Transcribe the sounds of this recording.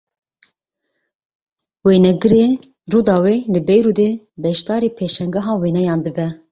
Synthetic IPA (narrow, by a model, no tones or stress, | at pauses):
weːnɛɡɨɾe | ruːd̪ɑːweːlɨbɛjɾuːd̪eː | bɛʃt̪ɑːɾiːpʰeːʃɛŋɡɛɦɑːweːnɛjɑːnd̪ɨbɛ